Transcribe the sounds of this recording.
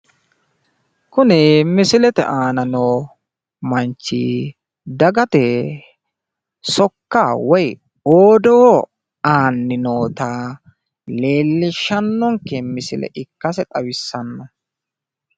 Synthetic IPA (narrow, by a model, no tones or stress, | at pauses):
kʊnɛmɪsɪlɛt̪ɛ̰ʔaːnɐnoː | mɐnt͡ʃːḭ | d̪ɐɡɐt̪ɛ | sɔkːawɔj | oːd̪ɔ | aːnːɪnoːt̪a | le̞ːlːɪʃːɐnːɔŋkːɛmɪsɪlɛ̰ʔɪkːɐsɛt̪ʼɐwɪsːɐnːɔ